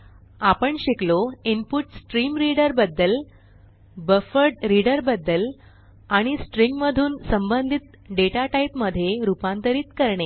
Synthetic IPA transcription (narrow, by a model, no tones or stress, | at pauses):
apəɳɕikloimpuʈsʈɾimɾiɽəɾbəd̪ːəl | bəfəɾɖɾiɽəɾbəd̪ːəl | aɽ̃isʈɾiŋɡməd̪ʱuːnsəmbənd̪ʱit̪̚ | ɖeʈaʈaipməd̪ʱjeɾupãnt̪əɾiːt̪kəɾɳe